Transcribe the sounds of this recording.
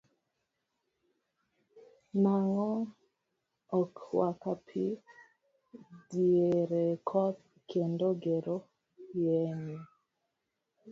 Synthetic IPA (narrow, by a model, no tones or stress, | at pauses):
naŋɔ | ɔkwakapʰi | dieɾekʰɔt̪̚ | kʰendoɡeɾo | jeɲe